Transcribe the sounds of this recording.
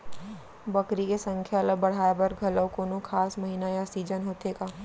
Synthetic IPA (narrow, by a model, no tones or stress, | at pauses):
bɐkɾikesɐ̃ŋkʰjaɐləɡ̚bɐɽ̤aːebɐɾɡʱɐləwkoːnokʰaːsmɐɦiːnajasiːd͡ʒənɦoːt̪eːɡaː